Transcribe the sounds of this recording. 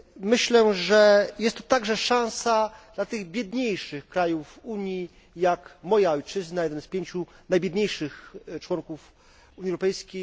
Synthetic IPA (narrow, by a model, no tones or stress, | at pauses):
mɘɕlɛʐɛjɛst̪ːɔ̥t̪aɡʐɛʂãw̃sad̪̥lat̪ɘɣbʲjɛd̪ɲejʂɘxkɾajufuɲji | jakmɔjaɔjt͡ʂɘznajɛd̪ɛnspʲjeɲt͡ɕunajbʲjɛd̪ɲejʂɘxt͡ʂwɔŋkuf | uɲiɛwɾɔpɛjskʲej